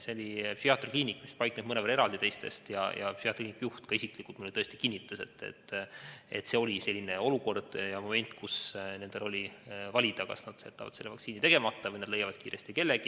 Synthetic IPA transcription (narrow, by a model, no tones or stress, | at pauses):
seolipsiɑt̪ːˑrkliːnikːˑmispɑjkned̥̪mɤnevɑɾeɾɑld̪it̪e̞jst̪e̞̰st̪jɑ̰jʔɑ̰psiɑt̪rkiːnikːɑjuht̪kɑesiklikult̪mulːet̪ɤ̞est̪i̥kinːit̪ːˑuse̞t̪ːḛt̪ːe̞̰t̪ːse̞o̞lʲise̞lʲːine̞o̞luko̞rd̪̥jɑmo̞me̞nʲt̪kʰusne̞nd̪̥elo̞lʲivɑlʲid̪̥ɑkɑ̰snɑd̪̥seːt̪ːˑɑvɑ̰d̪selːevɑ̰k̪siːnit̪e̞ɡ̥e̞mɑt̪ˑːɑvɤjnɑd̪le̞jɑvɑd̪̥kiːɾʔe̞st̪ike̞lːeɡ̥i